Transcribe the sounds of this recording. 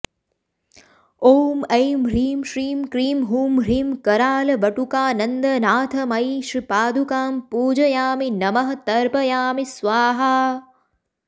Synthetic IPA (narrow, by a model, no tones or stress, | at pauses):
oːmɐjmɾiːmʃɾiːmkɾiːmɦuːmɾiːmkɐɾaːlɐʋɐʈukaːnɐnd̪ɐnaːt̪ʰɐmɐjʃɾipaːd̪ʱukaːmpuːd͡ʒɐjaːminɐmɐɦɐt̪ɐɾbɐjaːmisʋaːɦaː